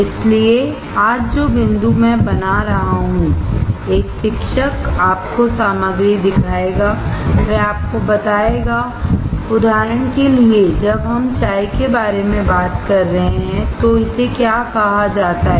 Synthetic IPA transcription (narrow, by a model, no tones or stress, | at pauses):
ɪslie | aːd͡ʒd͡ʒoːbɪ̃nd̪umɛ̃bɐnaɾɐɦaɦũeːkʃɪkʃəkaːpkosaːməɡɾid̪ɪkʰaːeːɡaːʋɛaːp̚kobɐt̪aːeːɡaː | ʊd̪ʱaːɾəɽ̃kelied͡ʒɐbɦɐmt͡ʃaːikebaːɾemẽbaːt̪kɐɾːɐɦeɦɛ̃t̪oɪsekjaːkɐɦad͡ʒaːt̪aɦɛ